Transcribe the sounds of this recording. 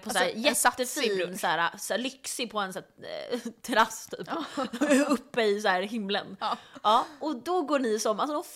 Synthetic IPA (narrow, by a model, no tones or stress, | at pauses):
pʰɔsːjɛəfnsæːɾasæːlʏksɪpʰɔɛnsæː | t̪ʰɛɾast̪ʰy̰ːp | ɵpːəɪsæːɾɦɪmlə̰nɑːɔd̪ɔɡoːɳɪsɔmalsɔd̪ɔ